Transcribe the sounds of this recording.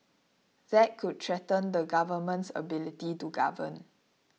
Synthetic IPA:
ð̥ɛt̚kʰud̚tʰɹɛtə̃ndəɡavəmə̃ntsə̰bilitituɡa̰və̰̃n

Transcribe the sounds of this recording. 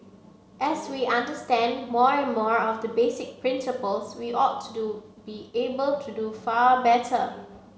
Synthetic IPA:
ʔɛswiʔãndəstɛ̃nmɔɹɛ̃nmɔɹɔfdəbesɪk̚pɹɪ̃nsɪpəlswiʔɔtʰːudubiebəltʰudufabɛtʰə

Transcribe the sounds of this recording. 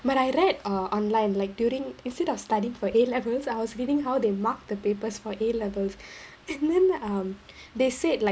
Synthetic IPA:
baɾajɹɛdʌʔɔ̃nlãɪ̃nlaɪk̚djuɾĩŋĩnstɛdɔfstaɾiɪ̃ŋfɔʔelɛvəlsajwɔsɹidĩŋɦawd̪emak̚d̪əpepəsfɔʔelɛvəls | ɛ̃nd̪ɛ̃nʌm | d̪esedlaɪ

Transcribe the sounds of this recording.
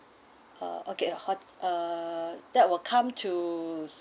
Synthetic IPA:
ʌ̰ʔokehɔtʔʌ | d̥ɛt̚wɪlkʰãmtʰu

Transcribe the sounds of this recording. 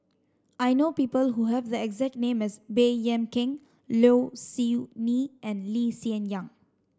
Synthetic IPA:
ajnopiːpəlɦuɦɛvd̪əɛɡzɛk̚tnẽmɛsbejɛ̃mkɪ̃ŋ | losiniʔɛ̃nlisiə̃njãŋ

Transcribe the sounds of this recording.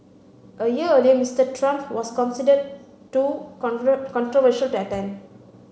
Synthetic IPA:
ʔəjiəəlijəmistətʰɹãmpwɔskɔ̃nsidəd̚ | tu | kɔ̃ntɹɔvəʃəltɛtãɪ̃n

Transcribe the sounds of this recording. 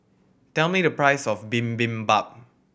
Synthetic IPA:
tɛlˠmiɾəpɹaɪsɔfbĩmbĩmbap̚

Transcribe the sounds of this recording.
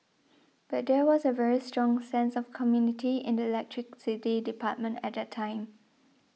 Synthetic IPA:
b̥at̚dɛwɔzəvɛɹistɹɔ̃ŋsɛ̃nsɔfkʰɔmjunɪtʰiɪ̰̃ndəilɛk̚tʰɹɪk̚sɪtidipʰat̚mə̃ntɛt̚dɛtʰːãɪ̃m

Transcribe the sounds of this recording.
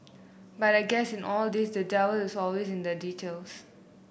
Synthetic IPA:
bataɪɡɛsɪ̃nʔɔldisdədɛvəlɪsɔlwesɪ̃ndəditʰels

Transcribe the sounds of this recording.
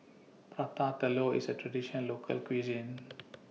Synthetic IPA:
pɹat̪ãt̪əloḭsətɹadiʃənənlokʰə̰lkwizĩn

